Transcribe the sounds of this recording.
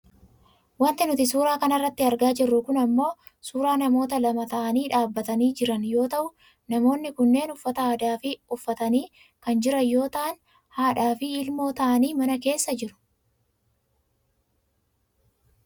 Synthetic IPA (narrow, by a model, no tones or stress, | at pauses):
wɐnt̪ɪnʊt̪ɪs̬uːɾaːkɐnɐrːɐt̪ːɪɐɾɡaːd͡ʒɪrːʊkʊnɐmːo̞ː | suːɾaːnɐmo̞ːt̪̬ɐlɐmɐt̪ɐʔɐniːᶑaːbːɐt̪ɐniːd͡ʒɪɾɐnjo̞ːt̪ɐʔʊ | nɐmo̞ːnːɪkʊnːe̞ːnʊfːɐt̪ɐaːd̪aːfɪʊfːɐt̪ɐniː | kɐnd͡ʒɪɾɐjo̞ːt̪ɐʔɐn | haːᶑaːfɪːlmo̞ːt̪ɐʔɐniːmɐnɐke̞ːsːɐd͡ʒɪɾʊ̥